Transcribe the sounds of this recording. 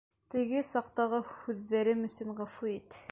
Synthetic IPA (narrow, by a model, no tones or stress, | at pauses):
t̪ɘ̆ɡɘsɑqt̪ɑʁɤhʉðːæɾɘmɵ̆sɵɴʁæfuit̪